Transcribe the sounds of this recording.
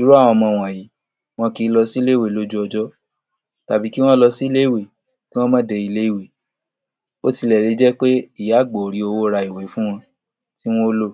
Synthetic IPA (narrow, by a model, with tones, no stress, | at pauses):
i˨˦ɾu˦a˦˨w̃ɔ̃˧mɔ̃˧˨w̃ɔ̃˨ji˨˦ | w̃ɔ̃˧ki˧˦lɔ˧si˦le˦˨we˦˨lo˦d͡ʒu˦ɔ˧d͡ʒɔ˦ | ta˨bi˨˦ki˦w̃ɔ̃˦lɔ˧si˦le˦i˦˨we˨ | ki˦w̃ɔ̃˦mã˦de˧i˧le˦i˦˨we˨ | o˦ti˧lɛ˨ɾe˨˧˦d͡ʒɛ˦k͡pe˦i˦˨ja˨˦˨ɡ͡bo˨ɾi˨˧o˧wo˦ɾa˧i˨we˨˦fũ˦w̃ɔ̃˧ | ti˦w̃ɔ̃˦o˦lo˦˨